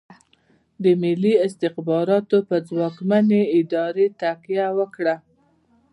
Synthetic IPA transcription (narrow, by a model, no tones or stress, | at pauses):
d̪əmɪliɪst̪ɪxbɑɾɑt̪opəzwɑkmaneɪd̪ɑɾet̪aqjawəkɽa